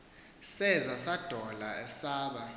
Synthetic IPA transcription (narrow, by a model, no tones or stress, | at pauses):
sɛzasad̥ʱɔlaɛsaːɓa